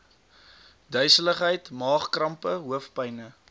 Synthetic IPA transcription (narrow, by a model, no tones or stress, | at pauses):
dœɥsələχɦɛjtmɑːχkrɐmpəɦuəfpɛjnə